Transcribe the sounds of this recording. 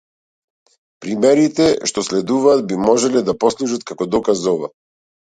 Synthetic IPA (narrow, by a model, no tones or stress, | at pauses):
pɾimɛɾit̪ɛʃt̪ɔslɛd̪uvaːt̪̚bimɔʒɛlɛd̪apɔslˠuʒat̪̚kakɔd̪ɔkazɔva̰